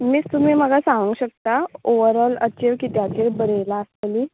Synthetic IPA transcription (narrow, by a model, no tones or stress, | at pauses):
miːst̪um̤iːm̤əɡasãʋəŋɡɕək̚t̪aoʋəɾələ̰t͡ɕeʋkit̪jat͡ɕeɾbəɾelaəst̪əli